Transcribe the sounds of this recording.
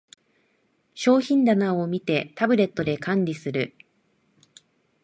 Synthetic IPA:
ɕo̞ːçĩnd̪anaomʲit̪e̞t̪abɯ̟ɾe̞t̪ːo̞d̪e̞kʰãɲɾʲisɨɾɯ̟

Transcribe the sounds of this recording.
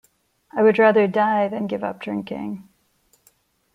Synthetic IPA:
aɪwɨd̚ɹæðə˞daɪðɨ̃nɡɪvʌ̰p̚d̥ʰə̃nkʰɪ̰̃ŋ

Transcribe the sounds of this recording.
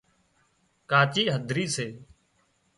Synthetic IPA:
kaːt͡ʃiːɦəd̪ʱɾiːseː

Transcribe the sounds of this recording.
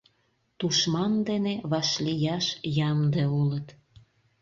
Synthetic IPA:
t̪uʃmɑnd̪eneβɑʃlijɑʃjɑmd̪eolət̪

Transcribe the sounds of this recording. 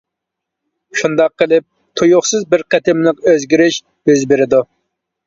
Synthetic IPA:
ʃund̪ɑqːəlˠɪp̚ | t̪ʰujʊχsɨzbɪɾqʰɛt̪ʰɪmlɪqøzɡʲiɾɪʃ | øzbɪɾɪd̪u

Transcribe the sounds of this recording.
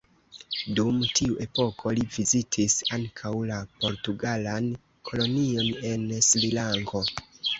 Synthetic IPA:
dumtʰiuʔe̞po̞kʰo̞livizitʰisaŋkʰawlapo̞ɾtuɡalan | kʰo̞lo̞nio̞ne̞nslilaŋɡo̞

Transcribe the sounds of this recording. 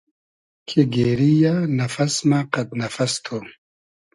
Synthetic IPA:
kʰeɡeːɾijanɐfɐsmaqɐt̪nɐfɐst̪ʰo

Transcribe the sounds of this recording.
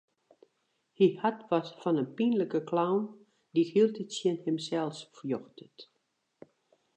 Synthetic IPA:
hihatʋɔsfɔnənpinləkəklawn | dihilˠtətsjənhɪmsɛlˠsfjoxtət

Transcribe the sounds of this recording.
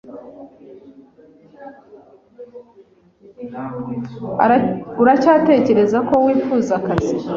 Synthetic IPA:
uɾacaːte̞ce̞ɾe̞zako̞wiːfuːzakazi

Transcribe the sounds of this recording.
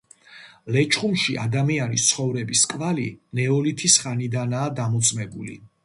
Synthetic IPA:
lɛt͡ʃʼχumʃiʔa̰d̪amianist̪sʰχɔvɾɛbiskʼvalinɛɔlit̪ʰisχanid̪anaːd̪amɔt̪sʼmɛbulḭ

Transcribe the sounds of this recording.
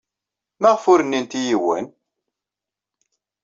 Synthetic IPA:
məʁfʊɾənːint̪ijiwə̰n

